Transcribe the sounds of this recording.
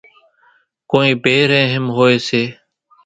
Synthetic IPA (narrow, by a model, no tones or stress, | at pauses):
koːĩːpeːɾẽːɦɪmɦoːeːseː